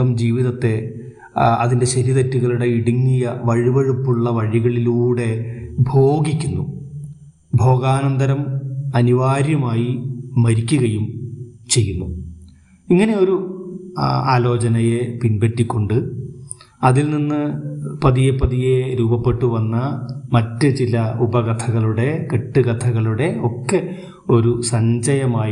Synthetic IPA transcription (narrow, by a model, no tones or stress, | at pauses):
ɐmd͡ʑiːʋiðɐt̪ːe̞ | ɐ̰ðinde̞ɕɐɾiðɐtːuɣɐɭuɽe̞iɽiŋːijɐʋɐɻiʋɐɻupːuɭːɐʋɐɻiɣɐɭiluːɽe̞bʱo̞ːɡikʲːunːu | bʱo̞ːɡaːnɐnd̪ɐɾɐmɐniʋaːɾjɐmaːjimɐɾikʲːuɣɐjumt͡ɕe̞jːunːu | iŋːɐne̞o̞ɾu | aːlo̞ːt͡ɕɐnɐjepinbetːikʲːo̞ɳɖɨ | ɐðilninːɨpɐðijepːɐðije̞ɾuːbɐpːe̞ʈːuʋɐnːɐmɐtːɨt͡ɕilɐubɐɣɐt̪ʰɐɣɐɭuɽe̞keʈːɨɣɐt̪ʰɐɣɐɭuɽe̞o̞kːe̞ | o̞ɾusɐɲd͡ʑɐjɐmaː